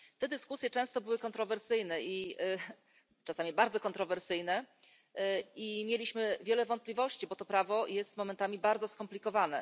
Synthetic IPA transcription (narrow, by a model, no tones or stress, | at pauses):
t̪ɛd̪ɘskusʲjɛt͡ʂɛ̃w̃st̪ɔbɘwɘkɔnt̪ɾɔvɛɾsɘjnɛʔi | t͡ʂasamʲibaɾd̪zɔkɔnt̪ɾɔvɛɾsɘjnɛ | imʲjelʲiɕmɘvʲjɛlɛvɔnt̪plʲivɔɕt͡ɕibɔt̪ɔpɾavɔjɛst̪mɔmɛnt̪amʲibaɾd̪zɔskɔmplʲikɔvanɛ